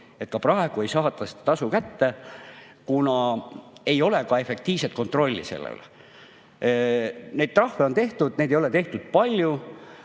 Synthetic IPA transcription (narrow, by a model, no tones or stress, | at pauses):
e̞t̪̚kɑprɑeɡ̥ue̞jsɑːt̪ːˑɑsi̥t̪d̪ɑ̥t̪ɑsukæt̪ːe | kunɑ | e̞jo̞le̞kɑe̞fe̞k̚t̪iːv̥set̪̚ko̞nt̪ˑro̞lʲːḭse̞̰lːḛl | ne̞jd̪̥̚t̪rɑhve̞o̞nt̪e̞ht̪ud̪̥ne̞jd̪ejole̞t̪e̞ht̪ud̪̥̚pɑlʲju